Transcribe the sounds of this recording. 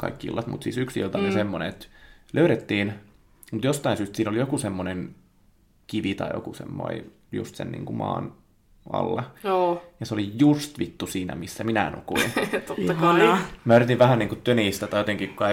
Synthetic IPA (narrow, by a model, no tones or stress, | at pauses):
kɑ̰ikːiḭlːɑ̰t̪mṵt̪siːsyksḭlt̪ɑmesemːonḛet̪lʔøyɾet̪ːiːn | mut̪jost̪ɑinsyːst̪siːnolijokusemːonen | kiʋit̪ɑ̰ijo̰kusḛmːo̰i | jṵst̪sḛnnḭːŋkumɑ̰ːn | ɑ̰lːɑoːjɑseolijust̪ʋit̪ːusiːnæ̰misːæminænṵkuint̪ot̪ːɑkɑmæyret̪iʋʋæhæniːŋkut̪ːøniːst̪æt̪ɑijot̪eŋkikukɑ